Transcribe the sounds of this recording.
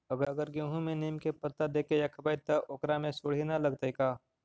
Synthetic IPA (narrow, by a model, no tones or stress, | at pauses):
ɐɡəɾəɡəɾɡẽːɦũmẽneːmkepɐt̪ːad̪eːkejakʰɐbaːt̪ːɐʔoːkɾamẽsʊɽ̤inalɐɡt̪əikaː